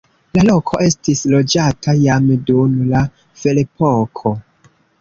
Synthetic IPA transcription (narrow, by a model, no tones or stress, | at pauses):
lalo̞kʰo̞ʔe̞stislo̞d͡ʒatʰajamdunla | v̥e̞lepʰokʰo̞